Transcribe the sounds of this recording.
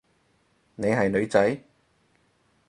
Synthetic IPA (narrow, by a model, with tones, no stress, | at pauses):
ne˨˧jɦɐ˨jnɵ˨˧ɥt͡sɐ˨˥j